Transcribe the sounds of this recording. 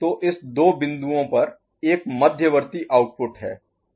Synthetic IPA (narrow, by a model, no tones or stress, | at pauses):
t̪oːʔɪsd̪oːbɪ̃nd̪uõpɐɾ | eːkmɐd̪ʱjəʋəɾt̪iʔaːʊʈ̚pʊʈɦɛ̰ː